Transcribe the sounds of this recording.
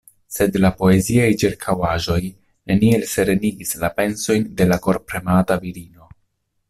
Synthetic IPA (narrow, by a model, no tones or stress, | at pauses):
se̞dlapo̞e̞ziajt͡ʃiɾkʰawaʒo̞j | ne̞nie̞lse̞ɾeniɡislape̞nso̞jnde̞lako̞ɾpɾe̞mataviɾino̞